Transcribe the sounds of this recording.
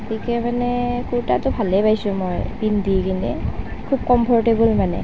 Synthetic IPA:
ɡotikɛmanɛkuɹtatʊbʱalɛpajsʊ̃mɔjbindikintɛ̰kʰub̚kɔmpʰɔɹtebulmanɛ̰

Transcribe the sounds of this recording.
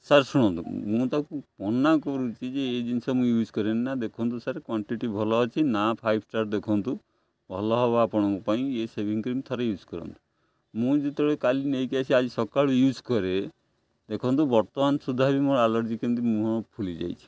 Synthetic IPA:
saɾsuɽ̃ɔ̃nt̪ṵmũt̪akupɔnːakɔɾut͡ʃʰid͡ʒeːd͡ʒinsɔmũjuːd͡ʒkɔɾeninad̪ekʰɔnt̪usaɾkwɔɳʈiʈibʱɔlɔat͡ʃʰinapʰajb̚ʰʱʈaɾd̪ekʰɔnt̪u | bʱɔlɔɦɔbapɔɽ̃ɔ̃ŋkɔpaĩesebʱiŋkɾimt̪ʰɔɾejuːd͡ʒkɔɾɔ̰nt̪u̥ | mũd͡ʒit̪ɔɭekalinejkiat͡ʃʰiad͡ʒisɔkaɭujud͡ʒkɔɾe | d̪ekʰɔnt̪ubɔɾt̪ɔmansud̪ʱːaɦbimoɾalɔɾd͡ʒikɔnt̪̬imũɦɔ̃ɔpʰulid͡ʒa̰jt͡ʃʰi̥

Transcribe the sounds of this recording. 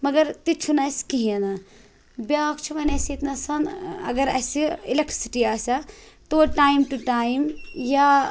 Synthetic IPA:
mɐɡɐɾt̪it͡ʃʰunɐskiɦĩɐnɐ | bʲakt͡ʃʰuʋɐnɐsit̪nɐsɐnɐ̰ɡɐɾɐ̰siilek̚ʈɾisi̥ʈiaːsʲɐt̪oʈaːjmʈuʈajmja

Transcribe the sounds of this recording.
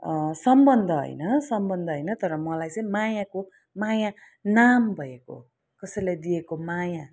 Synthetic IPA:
sʌmbʌnd̪ʱʌɦʌ̰jnʌsʌmbʌnd̪ʱʌɦʌjnʌt̪ʌɾʌmʌlajt͡sʌj̃majako | maja | nambʱʌeko̰ | kʌsʌjlejd̪iekomaja

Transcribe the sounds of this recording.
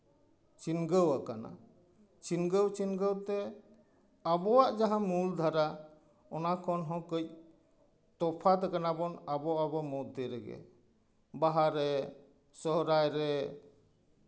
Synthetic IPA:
t͡ʃinɡəwakana̰ | t͡ʃinɡəwt͡ʃinɡəwt̪ɛ | abɔwaʔd͡ʒaɦãmuld̪ʱaɾa | ɔnakʰɔnɦɔ̃kəc̚ | t̪ɔpʰat̪ɛkanabɔnabɔabɔmɔdt̪iɾɛɡɛ̰ | baɦaɾɛ | sɔɦɾajɾɛ

